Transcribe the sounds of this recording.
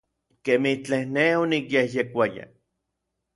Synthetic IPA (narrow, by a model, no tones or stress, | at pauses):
kemiht͡ɬehneonikjehjekʷaja̰